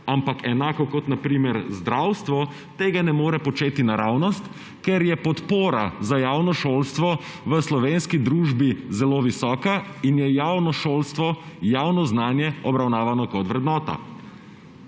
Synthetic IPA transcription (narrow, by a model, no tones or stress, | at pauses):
ampakɛnaːkɔkɔt̪napɾiːmɛɾzd̪ɾawst̪ʋɔ | t̪eːɡanɛmoːɾɛpɔt͡ʃeːt̪inaɾawnɔst̪ | kɛɾjɛpɔt̪poːɾazajaːwnɔʃoːlst̪ʋɔ | ʋəslɔʋeːnskid̪ɾuːʒbizɛloːʋisɔːkainjɛjawnɔʃolst̪ʋɔjawnɔznaːnjɛɔbɾawnaːʋanɔkɔt̪ʋɾɛd̪nɔːt̪a̰